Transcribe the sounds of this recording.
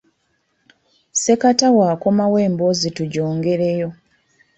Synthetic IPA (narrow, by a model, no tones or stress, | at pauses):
se̞katawaːko̞mawe̞ːmbozituɟo̞ːŋɡe̞ɾe̞jo̞